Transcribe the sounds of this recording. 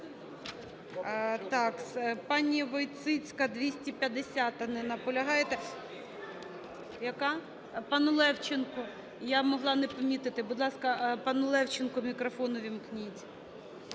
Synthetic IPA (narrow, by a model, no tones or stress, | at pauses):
t̪ɑkspɑnʲːiʋɔjt̪sɪt͡sʲkɐd̪ʋʲisʲtʲipʲjɐd̪esʲat̪ɐnɛnɐpɔlʲɐɦɑjet̪ɛ | jɐkɑ | pɑnʊlˠɛwt͡ʃenkʊ | jamɔɦlˠɑnɛpɐmʲit̪ɪt̪ɪbʊd̪lˠɑskɐpɑnʊlˠɛwt͡ʃenkʊmʲikɾɔfɔnʊʋʲimknʲitʲ